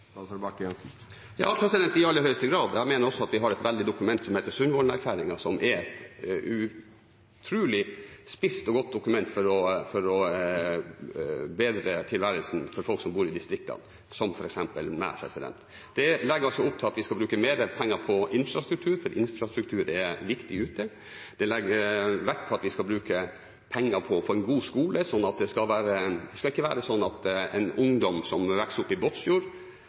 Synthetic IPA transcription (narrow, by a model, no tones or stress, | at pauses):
bɑkɛnsɪ | jɑ̰ːpʰɾɛsɪd̪ɛnt̪ɪɑlːəhœʏəst̪əɡɾɑːd̪jæɪmeːnəɾɔsːɔɑt̪ʋɪɦɑɾɛt̪ʋɛld̪ɪd̪ʊkʉmɛnt̪sɔmheɪt̪əɾsʉnʋɔlnæɾkʰlæːɾɪŋɑsɔmʔɛɾɛt̪ʉ | t̪ʰɾʉːlɪspɪst̪ɔɡɔt̪̚d̪ʊkʉmɛnt̪fɔɾɔfɔɾɔ | beːd̪ɾət̪ʰɪlʋæɾəlsn̩fɔɾfɔlksɔmbuːɾɪd̪ɪst̪ɾɪk̚t̪ɑ̰n | sɔmfɔɾɛksɛmpə̰lmɛ̰pʰɾɛ̰sɪd̪ɛ̰nt̪ | d̪ɛlɛɡəɾɑsɔʊp̚t̪ʰɪlɑt̪ʋɪskɑlbɾʉːkəmeːɾəpʰɛŋːəɾpʰɔɪnfɾɑst̪ɾʉk̚t̪ʰʉːɾfɔɾʔɪnfɾɑst̪ɾʉk̚t̪ʰʉːɾɛɾʋɪkt̪ɪʉːt̪ʰə | d̪̥ɛlɛɡəɾʋækːpʰɔɑt̪ʋɪskɑbɾʉːkə | pʰɛŋːəɾpʰɔfɔɾɛnɡuːskuːləsɔnːɑt̪̚d̪ɛskɑlʋæːɾəd̪ɛskɑlɪkːəʋæːɾəsɔnːɑt̪ɛ̰nʊŋd̪ɔmsɔmʋæksəʊpːɪboːt̪sjuːɾ